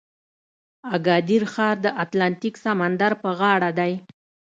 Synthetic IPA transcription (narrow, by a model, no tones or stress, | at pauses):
aɡɑd̪iɾxɑɾd̪əʔat̪lant̪iksamand̪aɾpəɣɑɽad̪aj